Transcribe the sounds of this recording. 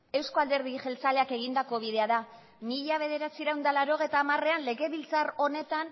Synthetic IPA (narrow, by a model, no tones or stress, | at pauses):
e̞wskoald̪e̞ɾðiʝe̞lt͡sale̞ake̞ɣ̞ind̪ako̞β̞iðe̞aða | miʎaβ̞e̞ð̞e̞ɾat͡siɾawnd̪alaɾo̞ɣ̞ejt̪aːmare̞anle̞ɣe̞βilt͡saro̞ne̞t̪an